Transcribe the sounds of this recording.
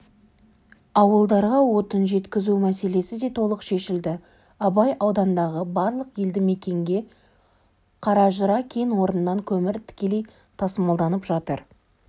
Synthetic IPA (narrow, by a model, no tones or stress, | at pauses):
ɑwəlˠd̪ɑɾʁɑwo̞t̪ənʒe̞t̪kʲɪzumæse̞le̞sɪd̪e̞t̪ʰo̞lˠəqʃe̞ʃɪld̪ɪ | ɑbɑjʔɑwd̪ɑnd̪ɑʁəbɑɾlˠəqje̞ld̪ɪme̞kʲe̞ŋɡʲe̞ | qʰɑɾɑʒəɾɑkʲʰenwo̞ɾənənɑŋkʲʰɵmɪɾt̪ʰɪ̥kʲe̞le̞j | t̪ʰɑsəmɑlˠd̪ɑnəpʒɑt̪əɾ